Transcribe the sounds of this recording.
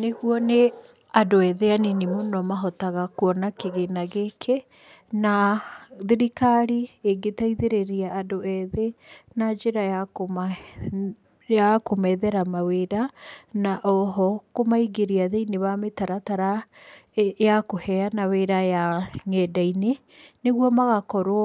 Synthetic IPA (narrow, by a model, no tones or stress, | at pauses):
neɣuɔne | adoɛðeanenemonɔmaɦɔtaɣakuɔnakeɣenaɣekʰe | naðeɾikaɾieɡetaiðeɾeɾiaːdoɛðenad͡ʒeɾajak | jakomɛðɛɾamaweɾanaʔɔɦɔkomaiɡeɾiaðeineβametaɾataɾa | jakohɛanaweɾajaŋɛːdaine | neɣwɔmaɣakɔɾoɔ